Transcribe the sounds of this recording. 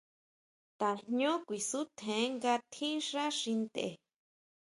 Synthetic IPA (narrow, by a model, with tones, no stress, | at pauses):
t̪a˨nɲõ˦kʷi˨su˦t̪ʰẽ˨˦ŋɡa˧t̪ʰĩ˦ʂa˦ʂĩ˧nd̪ḛ˨